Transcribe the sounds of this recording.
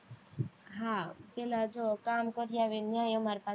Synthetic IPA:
ɦãpelad͡ʒokamkɔɾijaʋenjãjomaɾpa

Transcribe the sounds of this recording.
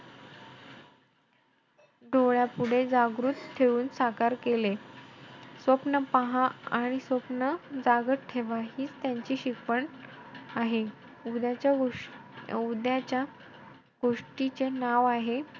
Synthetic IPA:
ɖʱoɭjapuɽ̤ed͡zaɡɾuːt̪t̪ʰːeɭuːnsakaɾkele | sʋəpnəpaɦãaɽ̃isʋəpnəd͡zaɡətʈʰeʋaɦiːt͡st̪jaɲt͡ɕiːɕikʋəɳ | aɦe | ud̪jat͡ɕja | ud̪jat͡ɕja | ɡ̥oʂʈit͡senaʋaɦe

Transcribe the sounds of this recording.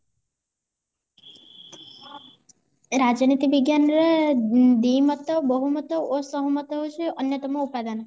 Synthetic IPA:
ɾad͡ʒnit̪iʋiɡjanɾed̪imət̪əbəɦumət̪əosəɦumət̪əɦut͡ʃʰeənjət̪əmoupad̪an

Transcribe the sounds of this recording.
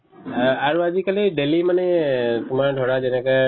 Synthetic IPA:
aɾuad͡ʒikəliɖelimanet̪um̤aɾɖʱoɽad͡ʒenəkə

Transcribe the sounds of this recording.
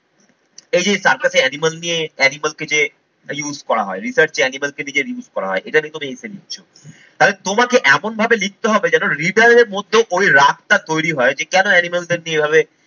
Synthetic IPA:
ejd͡ʑejsaɾkaseɛnimalnijeɛnimalked͡ʑe | juzkɔɾaɦɔeɾisəɾt͡ɕeɛnimalkenid͡ʑeɾjuzkɔɾa̰ɦɔeʔeʈaniet̪omieselit͡ɕʰʃʰo | t̪alet̪omakeʔɛmonbʱabelik̚t̪eɦɔbed͡ʑɛnoɾiɖaɾɾeɾmod̪ʱːeʔojɾak̚t̪at̪ojɾiɦɔed͡ʑekɛnoɛnimald̪eɾniebʱaβe

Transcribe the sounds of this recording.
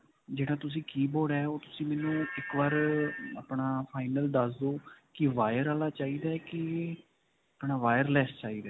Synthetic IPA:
d͡ʒeːɽaːt̪ʊs̬ĩːkiːbɔːɖɛːoːt̪ʊsĩːmɛːnũːɪkʋaːɾaːpɳaːpʰaːɪnəld̪əsd̪oːkɪʋaːjəɾaːlaːt͡ʃaːiːd̪aːɛkɪ | apɳaːʋaːjəɾlɛːst͡ʃaːiːd̪aː

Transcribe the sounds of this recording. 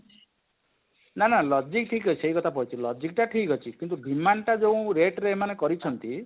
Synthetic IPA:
nanalɔd͡ʒik̚ʈʰikɦɔt͡ʃʰiseikɔt̪ʰapɔit͡ʃʰilɔd͡ʒik̚ʈaʈʰikɦɔt͡ʃʰikint̪̬uɖʱimanʈad͡ʒeũɾeʈɾeemanekɔɾit͡ʃʰɔnt̪i

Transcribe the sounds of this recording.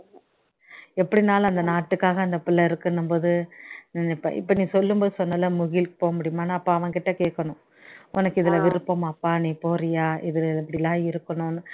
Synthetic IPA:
ɛpːɐɽɪnaːlɐɐnd̪ɐnaːʈːɯkːaːɣɐɐnd̪ɐpɪlːɐɪɾɯkːɐnɯmboːðɯnnɪpːɐ̰ʔɪ̰pːɐnĩːsɔlːɯmboːðɯsɔnːɐlːɐmʊɣɪlpoːɣɐmʊɽɪjɯmaːnːaːɐpːãːɐʋɐ̃ŋkɪʈːɐkeːkːɐɳʊ̃ | ɔnɐkːɯɪðɪlɐʋɪɾɯpːɐmɐpːaːnĩːpoːɾɪjaːɪðɯlɛpːɐɽɪlãːɪɾɯkːɐɳʊn

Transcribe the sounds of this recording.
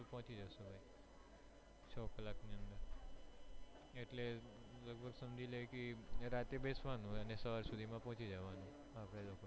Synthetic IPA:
pɔɦt͡ʃid͡ʒasebʱai | sʰɔkəlakniənd̪əɾ | eʈleləɡ̚bʱəɡsəmd͡ʒʱiləkiɾat̪ebesʋanũənesəʋaɾsud̪ʱimãpɔɦɔ̃t͡ʃid͡ʒəʋanũ | apɽeloko

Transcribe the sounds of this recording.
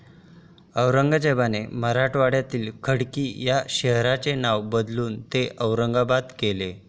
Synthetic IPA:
əwɾəŋɡd͡ʑebaneməɾaʈʋaɽjat̪iːlkʰəɽkiːjaɕəɦɾat͡senaʋbəd̪luːnt̪eʔəwɾəŋɡabad̪kele

